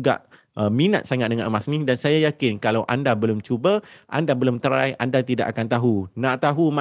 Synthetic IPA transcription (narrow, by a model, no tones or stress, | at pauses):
ɡa̰ʔ | əmina̰t̪̚saŋat̪̚dəŋãnəmasnĩdansajajakɪnkalawʔandabəlʊmt͡ʃubəʔa̰ndabəlʊmt̪əɾajʔandat̪ida̰ʔakant̪aɦunãʔt̪aɦuma